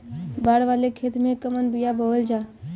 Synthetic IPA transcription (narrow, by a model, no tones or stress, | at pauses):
baːɽʋaːlekʰet̪mẽkəmənbijabəʋəld͡ʒaː